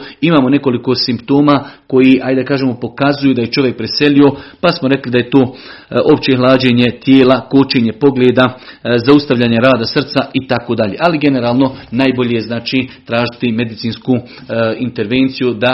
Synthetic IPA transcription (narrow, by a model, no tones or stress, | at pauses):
imaːmo̞ne̞ko̞liko̞simpt̪o̞ːmako̞jiʔajd̪akaːʒeːmopo̞kazujuːd̪aje̞t͡ʃo̞ʋjek̚pɾese̞lio̞pasmoɾe̞klid̪aje̞t̪o̞ːʔo̞pt͡ɕe̞ɦlˠaːd͡ʑe̞ɲe̞t̪jeːlakot͡ʃe̞ːɲe̞po̞ɡleːd̪azaust̪aʋʎaːɲeɾaːd̪asr̩t̪saʔit̪akod̪aʎeːʔaliɡe̞ne̞ɾaːlˠno̞naːjbo̞ʎejeznaːt͡ʃiːt̪ɾaːʒit̪ime̞d̪it̪siːnsku | int̪e̞ɾʋe̞ːnt̪sijud̪a